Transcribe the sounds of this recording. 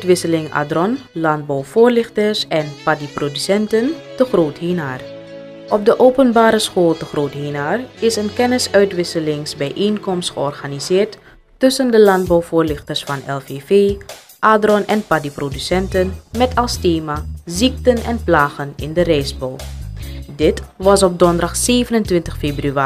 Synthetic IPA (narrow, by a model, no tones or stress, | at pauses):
œɥtʋɪsəlɪŋa̰ːdrɔnlɑnd̚bɔwv̥ʊːɹlɪχtəsɛnpadiprodysɛntəntəχroːtɦeːnaːr | ʔɔp̚dəʔoːwpənbaːɾəsχoːlˠtəχroːtɦenaːrɪsənkɛnɪsœɥtʋɪsəlɪŋsbɛjʔeːnkɔmstχəɔrχanizɪːɹtː | ɵsəndəlɑnd̚bɔwvʊːrlɪχtəɹsfɑnɛlˠfeːveː | ʔaːdrɔnɛnpadiprodysɛntənmɛtʰɑlˠsteːmazik̚tənɛnplaːχənɪ̰ndərɛjzbow | dɪtʋɑsɔb̚dɔndɑχseːvənəntʋɪntəχfeːbryaː